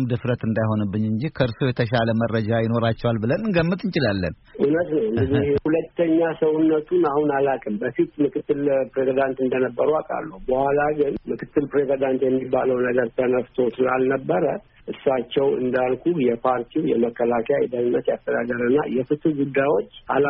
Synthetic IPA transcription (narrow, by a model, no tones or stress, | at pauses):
md̪ɨfɾət̪ɨnd̪ajho̞nɨbːɨɲɨɲd͡ʒikʰəɨɾsojɛt̪ʰəʃaləmərːəd͡ʒajɪno̞ɾat͡ʃːɛwalbɨlənɨŋɡəmːɨt̪ɨnt͡ʃɪlalːə̰n | ʔunət̪nəwɨɡɨd̪ihulət̪ʰːəɲːasəwunːət̪ʰunahunalakʼɨmbəfit̪mɨkʰɨt̪ːɨlpɾezid̪ant̪ɨnd̪ənəbːəɾuakʼa̰lːubəhʷwalaɡɨnmɨkʰɨt̪ːɨlpɾezid̪ant̪jɛmːibːaləwnəɡəɾt̪ʰənəft̪ʰo̞sɨla̰lnəbːəɾə | ʔɨsːat͡ʃːɛwɨ̰nd̪alkʰujɛpʰaɾt̪ʰiwjɛməkːəlakʰəjajɛd̪ənɨnːət̪jast̪ʰːəd̪aɡəɾɨnːa̰jɛfɨt̪ʰɨɡud̪ːajwo̞t͡ʃːa̰la